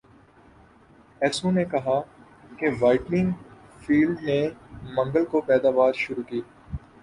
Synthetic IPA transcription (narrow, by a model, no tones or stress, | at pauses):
ɛːsũnekɐɦa | keʋaːɪʈnɪ̃ŋɡ | fiːlɖnemɐ̃ŋɡəlkopɛːd̪aːʋaːɾʃʊɾuːkiː